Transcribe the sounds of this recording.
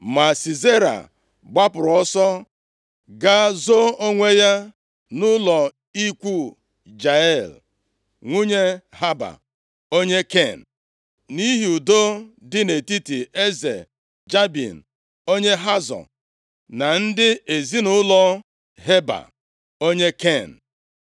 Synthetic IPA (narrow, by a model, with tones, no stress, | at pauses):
ma˨si˨ze˦ɾa̰˨ | ɡ͡ba˦pʊ˨ɾɔ˦sɔ˦ | ɡa˦zo˦o˦ŋʷe˦ja˦ | nʊ˦lɔ˨ | i˦kʷu˦ | d͡ʒa˨ɛ˦˨l | ŋʷu˦ɲe˦ɦa˦ba̰˨ | o˦ɲe˦ke˦˨n̩˨ | ni˦ɦi˨u˨do˦dɪ˦ne˨ti˦ti˨e˦zḛ˨ | d͡ʒa˦bḭ˨n̩˨ | o˦ɲe˦ɦa˦zɔ̰˨ | na˨n̩˦dɪ˦e˨zi˦nʊ˦lɔ˦ | ɦe˦ba̰˨ | o˦ɲe˦ke˦˨n̩˨